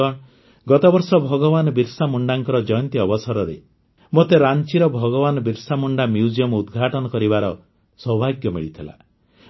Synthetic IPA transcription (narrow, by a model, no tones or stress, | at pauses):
ɔ̃ | ɡɔt̪ɔbɔɾsɔbʱɔɡɔbanɔbiɾsamuɳɖaŋkɔɾɔd͡ʒɔjɔnt̪iɔbɔsɔɾɔɾe | mot̪eɾant͡ʃiɾɔbʱɔɡɔbanɔbiɾsamuɳɖamjud͡ʒiɔmud̪ɡʱaʈɔnɔkɔɾibaɾɔ | sɔbʱaɡjɔmiɭit̪ʰila̰